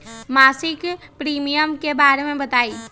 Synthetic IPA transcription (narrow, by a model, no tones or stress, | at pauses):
maːsɪkpɾiːmijəmkebaːɾemẽbət̪aːi